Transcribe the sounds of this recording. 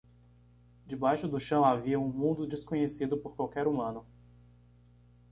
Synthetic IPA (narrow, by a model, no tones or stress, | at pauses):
d͡ʒɪbajʃʊd̪ʊʃɐ̃w̃aviɐũmũnd̪ʊd͡ʒɪskõɲesid̪ʊpoɾkwawkɛɾumɐ̃nʊ